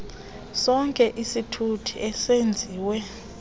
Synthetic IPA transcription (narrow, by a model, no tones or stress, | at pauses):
sɔŋkʼɛʔisitʰutʰiɛsend͡zʱiːwɛ